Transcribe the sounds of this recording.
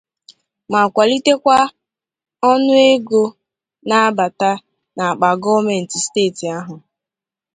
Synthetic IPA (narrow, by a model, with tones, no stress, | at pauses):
ma˨kʷa˨li˦te˦kʷa˦ | ɔ˦nʊ˦e˦ɡo˦ | na˦a˦ba˨ta˦ | na˨a˨k͡pa˨ɡɔ˦me˨n̩˨ti˨steː˦˨ti˨a˦ɦʊ˨